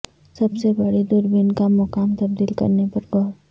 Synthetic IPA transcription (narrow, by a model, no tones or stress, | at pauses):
sɐbsebɐɽid̪ʊɾbɪnkamʊkaːmt̪ɐb̚d̪iːlkɐ̰ɾnepɐɾɡɔːɾ